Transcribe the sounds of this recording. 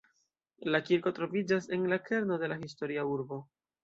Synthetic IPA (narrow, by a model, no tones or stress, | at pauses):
lakiɾko̞tɾo̞vid͡ʒase̞nlakʰe̞ɾno̞de̞lahisto̞ɾiauɾbo̞